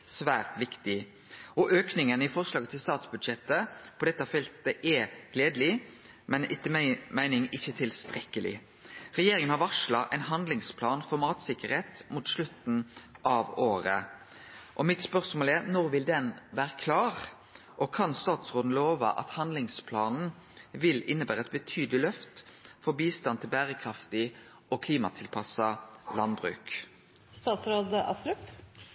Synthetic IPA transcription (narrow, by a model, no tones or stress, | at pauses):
sʋæːʁt̪ʋɪkt̪ɪ | ɔʔøːknɪŋənɪfɔʁslɑːɡət̪ʰɪlst̪ɑːt̪sbʉd̪ʃɛt̪ːəpʰɔd̪ɛt̪ːəɑfɛlt̪əʔɛɡ̥leːd̪lɪ | mɛnɪt̪ːmæɪnɪŋɪçːət̪ʰɪlst̪ɾɛkːəlɪ̰ | ʁɛjeːɾɪŋənhɑʋɑʁʂlɑʔæɛɪnɦɑnd̪lɪŋspʰlɑːnfɔʁmɑːt̪sɪkːəɾheːt̪muːt̪slʉt̪n̩ʔɑʋoːɾə̰ | ʔɔmɪt̪spœʁsmoːlæʁnɔʁʋɪld̪ɛnʋæːʁəkʰlɑːʁ | ʔɔkʰɑnst̪ɑːt̪sʁoːd̪n̩loːʋɑ̰ʔɑ̰t̪hɑnd̪lɪŋspʰlɑːnn̩ | ʋɪlɪnːəbæːʁəɛt̪̚bət̪ʰyːd̪lɪlœft̪fɔbiːst̪ɑnt̪ʰɪlbæːʁəkʰʁɑft̪ɪ | ɔkʰliːmɑt̪ʰɪlpʰɑsɑlɑnbʁʉ̰ːk | st̪ɑːt̪sɾoːd̪əʔɑst̪ɾʉp